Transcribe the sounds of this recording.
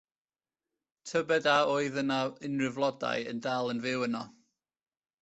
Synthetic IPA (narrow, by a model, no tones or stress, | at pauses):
tʰəbɛdaoɨðənaɪnrɪvlˠɔda̰jə̰ndalˠənvɪwənɔ